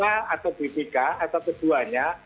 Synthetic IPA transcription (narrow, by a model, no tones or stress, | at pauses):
aat̪awpit̪ikaat̪awkəd̪̥uaɲa